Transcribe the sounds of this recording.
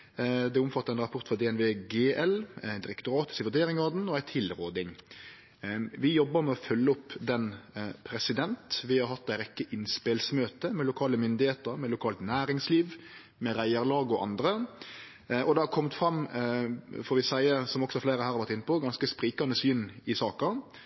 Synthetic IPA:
d̪ɛʊmfɑt̪ːɑɾɛnɾɑpʰʊɾt̪fʁɑd̪ɛɛnʋeːɡeːʔɛlæd̪ɪɾɛkt̪ʊɾɑːt̪ɪ̥səʋʉd̪eːɾɪŋɔd̪n̩ɔæɪt̪ʰɪlɾoːd̪ɪŋ | ʋɪjɔbːəɾmɛɔfœlːəɔpːd̪ɛnpʰɾɛsɪd̪ɛnt̪ʋɪhɑɾɦɑt̪ːæɪɾɛkːəʔɪnspelsmøːt̪əmɛlʊkʰɑːləmʏnd̪ɪheːt̪əɾmɛlʊkʰɑːlt̪næːɾɪŋsliːʋ | mɛɾæɪəɾlɑːɡɔʔɑ̰nd̪ɾə | ʔɔd̪ɛhɑɾkʰɔmt̪fɾɑm | fɔːɾʋɪsæɪəsɔmɔksɔhɑɾfleːɾəhæɾɑɾʋɑɾt̪ɪnːəpʰɔɡɑnskəspɾiːkɑnəsyːnɪsɑːkɑ

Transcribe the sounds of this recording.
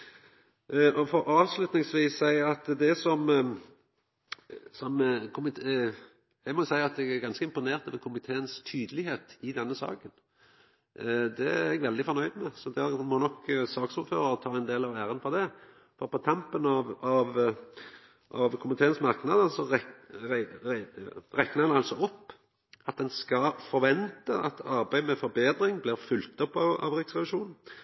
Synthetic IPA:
ɔfɔɾɑːʋslʉt̪nɪŋsʋiːsæɪɑt̪d̪ɛsɔm | sɔmkʰʊmɪt̪ | jæɪmɔʊsæɪɑt̪̚d̪ɛɡæɡɑnskəɪmpʊneːʁt̪ɑʋɛkʰʊmɪt̪ʰeːənst̪ʰyːd̪əlɪɦeːt̪ɪd̪ɛnːəsɑ̰ːkən | d̪ɛæɛɡʋɛld̪ɪfɔɾʁnœʏd̪mɛsɔd̪æʁmɔnɔkːsɑːksʊːɾføːɾʁəɾət̪ʰɑːɛnd̪eːlɑʋæːɾənfɔʁd̪ɛ | fɔɾpʰɔt̪ʰɑmpənɑʋɑʋ | ʔɑʋkʰʊmɪt̪ʰeːənsmɑʁknɑd̪əsɔ | ʁɛknəʁɛnɑlsɔɔpː | ɑt̪̚d̪ɛnskɑfɔɾʋɛnt̪əɑt̪ʰɑɾbæɪmɛfɔɾbeːd̪ɾɪŋblɪʁfʏlt̪ɔpːɑɑ̰ʋɾɪksʁɛʋɪʂuːnn̩

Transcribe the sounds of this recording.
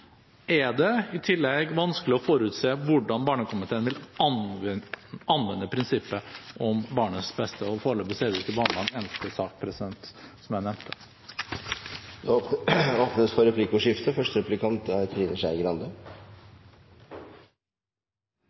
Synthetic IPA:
ʔæɖɛɪt̪ʰɪlːɛɡʋɑnskəlɪɔfoːɾʉːt̪seːʋʊɖɑnbɑːɳəkʰʊmɪt̪ʰeːnʋɪl | ɑnːʋɛnːəpʰɾɪnsɪpːəʔɔmbɑːɳəsbɛst̪əɔfoːɾəɭøːbəseːd̪ɪt̪əlbɑːɳlɑnɛnt̪əsɑːk̚pʰɾɛsɪd̪ɛnt̪sɔmjæɪnɛmt̪ʰə̥ | d̪ooːpnəsfɔɾɛpʰliːkʊʂɪft̪əfœʂʈəɾɛplɪkʰɑnt̪æt̪ʰɾiːnəʂæɪɡɾɑnd̪ə

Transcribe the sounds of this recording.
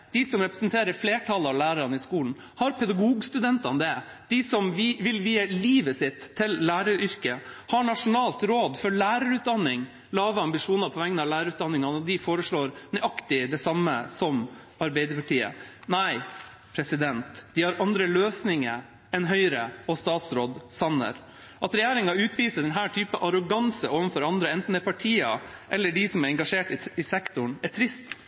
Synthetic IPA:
d̪̥ɪsɔmɾɛpɾəsnt̪ʰeːɾəɾfleːʈʰɑlɑʋlæːɾəɾɑnəɪskuːln̩ | hɑɾpʰɛd̪ɑɡuːɡst̪ʉd̪ɛnt̪ɑnd̪ɛd̪̥ɪsɔmʋʋɪlʋiːəliːʋəsɪt̪ʰːɪlːæːɾəɾʏɾkəhɑɳɑʂʊnɑːlt̪ɾoːd̪fɔɾɭæːɾəɾʉːt̪̚d̪ɑnːɪŋ | lɑːʋəɑmbɪʂuːnəɾpʰɔʋɛŋːnɑʋlæːɾəɾʉːt̪d̪ɑnːɪŋɑnɔd̪ɪfoːɾəʂɭoːɾnœʏʔɑkt̪ɪd̪ɛsɑmːə̰sɔm | ɑɾbæɪd̪əpɑʈiːə̰næɪ | pʰɾɛsɪd̪ɛnt̪d̪ɪhɑɾʔɑnd̪ɾəløːsnɪŋə | ɛnɦœʏɾəɔst̪ɑːt̪sɾoːd̪sɑnə̰ɾ | ʔɑt̪ɾɛjeːɾɪŋɑʉːt̪ʰʋiːsəɖ̪ɛnɦæːʈʰyːpəʔɑɾʊɡɑnsəʔoːʋənfɔɾɑnd̪ɾəɛnt̪n̩d̪ɛpʰɑʈʰiːɑʔɛlːəɖɪsɔmæɾɛŋɡɑʂeːʈɪɪsɛkt̪ʊɳæʈʰɾɪst̪

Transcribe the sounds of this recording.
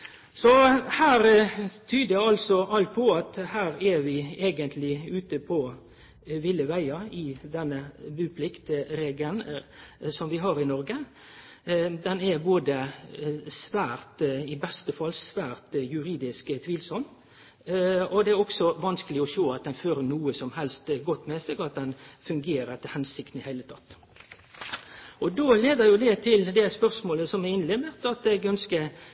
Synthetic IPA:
sɔhæːɾt̪ʰyːd̪əɑlsɔʔɑlt̪̚pʰɔɑt̪hæːɾæʋɪeːɡənt̪ʰlɪʉːt̪əpʰɔ | ʋɪləʋæɪɑɪd̪ɛnːəbʉːpʰlɪkt̪ɾeːɡəln | sɔmʋɪɦɑːɾɪnɔɾɡə | d̪ɛnɛboːd̪ə | sʋæːɾt̪ɪbɛst̪əfɑlːsʋæːʁt̪jʉɾiːd̪ɪskt̪ʰʋiːlsɔmː | ɔd̪ɛæɾɔksɔʋɑnskəlɪɔʃoːɑt̪̚d̪ɛnføːɾənuːəsɔmhɛlst̪ɡɔt̪ːmɛsɛɡɑt̪̚d̪ɛnfʉŋɡeːɾəɾt̪ʰɪlhɛnsɪkt̪n̩hæɪlət̪ʰɑt̪ː | ʔɔd̪oːleːd̪əɾjʊd̪ɛt̪ʰɪld̪ɛspœʁsmoːləsɔmɛɪnlɛməʁt̪ɑt̪ɛɡœnskə

